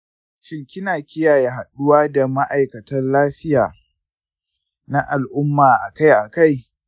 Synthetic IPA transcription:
ʃɪ˦ŋkʲɪ˦naː˨kʲɪ˦jaː˨je˦ɦa˨ɗʊ˦waː˦da˨ma˦ʔa˨jkɐ˨tɐ˦rlaː˦ɸɪ˦jaː˨ | na˦ʔa˨lʔʊ˦mːaː˨ʔa˨ka˦jʔa˨ka˦j

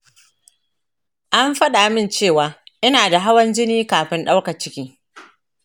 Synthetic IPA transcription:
ʔa˦mɸɐ˦ɗa˨mɪ˦nt͡ʃeː˦˨waː˨ʔɪ˦naː˨da˨ɦa˦wɐ˦nd͡ʒɪ˦niː˦kaː˨ɸɪ˦nɗa˦wka˨t͡ʃɪ˦kʲiː˦

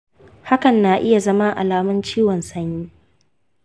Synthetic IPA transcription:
ha˦kɐ˨nːaː˨ʔɪ˦ja˨zɐ˦ma˦ʔa̰˨laː˨mɐ˦nt͡ʃiː˦wɔ˨nsɐ˦ɲjiː˦

